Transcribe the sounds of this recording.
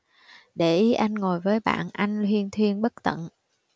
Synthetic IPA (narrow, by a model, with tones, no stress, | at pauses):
ɗe˧˩ʔi˨˦ʔa˧jŋ̟ŋo˨˩jvəː˨˦jɓa̰ː˧˨nʔa˧jŋ̟lwi˧ənt̪ʰwi˧ənɓə˦˥k̚t̪ə̰˧˨n